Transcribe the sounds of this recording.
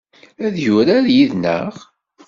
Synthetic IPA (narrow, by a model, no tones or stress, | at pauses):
æðjʊɾaɾjiðnə̰ʁ